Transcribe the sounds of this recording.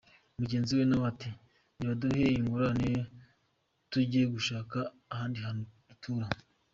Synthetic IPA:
omuɟe̞ːnziwenaβati | niβaduheiŋɡuɾaneje | tuɟieɡuʃaːkaː | haːndiɦano | utʰuːɾa

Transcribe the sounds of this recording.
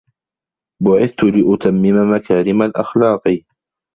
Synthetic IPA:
bʊʕɪθt̪ʊlɪʔʊt̪ʰamːɪmamakaːɾɪmalʔa̰xlɑːqi

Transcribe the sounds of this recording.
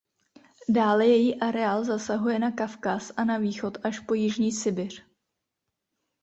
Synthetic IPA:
daːlɛjɛjiːʔaɾɛaːlzasaɦujɛnakafkasʔanaviːxo̞t̪ʔaʃpo̞jɪʒɲiːsɪbɪr̝̥

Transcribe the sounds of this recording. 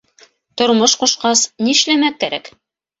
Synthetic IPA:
t̪ŏɾmoʃquʃqɑsniɘ̆ʃlæmækːæɾæk

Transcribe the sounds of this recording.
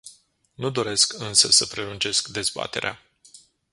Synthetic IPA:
nud̪o̞ɾe̞skɨnsəsəpɾe̞lunt͡ʃe̞skd̪e̞zba̰t̪e̞ɾea

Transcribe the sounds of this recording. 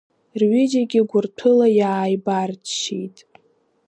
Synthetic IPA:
rɥid͡ʒaɡʲɪɡʷʊrtʰɨlajaːjbarʃijtʼ

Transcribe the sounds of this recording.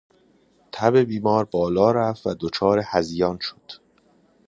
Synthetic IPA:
t̪ʰæbe̞biːmɒːɾbɒːlɒːɾæfvæd̪ot͡ʃʰɒːɾehæzijɒːnʃo̥d̪̥

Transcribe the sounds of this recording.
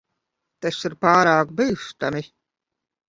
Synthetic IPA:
t̪asiɾpaːɾaːkbɨːʃt̪amʲi

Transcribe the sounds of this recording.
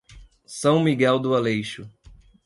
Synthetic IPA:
sɐ̃w̃miɡɛwd̪ʊalejʃʊ

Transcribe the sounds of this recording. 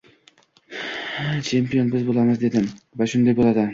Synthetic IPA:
t͡ʃʰe̞mpijo̞nbɪzbolˠamɨzd̪e̞d̪ɪmvaʃʊnd̪ajbolˠad̪ɪ

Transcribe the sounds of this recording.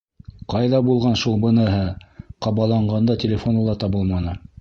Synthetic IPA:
qɑjðɑbulˠʁɑnʃulˠbɤ̆nɤ̆ɦɤqɑβɑlˠɑɴɢɑnd̪ɑtʲɪlʲɪfo̞nɤ̆lˠɑt̪ɑβɤlˠmɑnɤ

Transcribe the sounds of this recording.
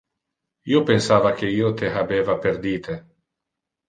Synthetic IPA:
iopensaːvak̟eiːot̪eɦabeːvaperd̪iːt̪ʰe

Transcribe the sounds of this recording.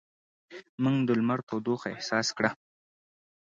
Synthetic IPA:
muŋɡd̪əlmaɾk̪ʰod̪oxɪhsɑskɽa

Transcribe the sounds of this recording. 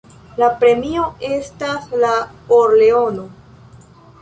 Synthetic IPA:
lapɾe̞mio̞e̞staslaoɾle̞o̞no̞

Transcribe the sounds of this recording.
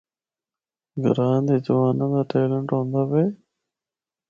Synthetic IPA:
ɡəɾaːnd̪ed͡ʒʋaːnãd̪aːʈeːləɳʈõːnd̪aːbeː

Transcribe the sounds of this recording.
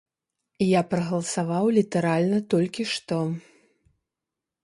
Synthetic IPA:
ijapɾɐɣɐlˠɐsavawlʲit̪ɐɾalʲnɐt̪ɔlʲkʲiʂt̪ɔ

